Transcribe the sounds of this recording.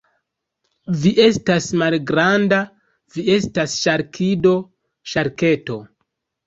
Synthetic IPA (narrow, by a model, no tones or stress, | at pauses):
viʔe̞stasmalɡɾanda | vie̞stasʃaɾkʰido̞ | ʃaɾke̞to̞